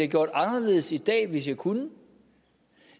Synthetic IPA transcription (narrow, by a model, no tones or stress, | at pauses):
ɡ̥jo̝ɐ̰d̥ɑ̈nɐle̝ð̩ˠsid̥ɛ̰ːʋe̝sjɑɪkʰunə